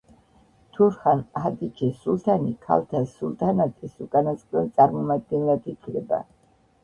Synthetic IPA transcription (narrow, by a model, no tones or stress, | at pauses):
t̪ʰuɾχanad̪it͡ʃʰʼisulˠt̪ʰanikʰa̰lt̪ʰasulˠt̪ʰanat̪ʼisukʼanasq̪ʼɛnt̪sʼaɾmɔmad̪̚ɡɛnlat̪ʰikʰɾɛba̰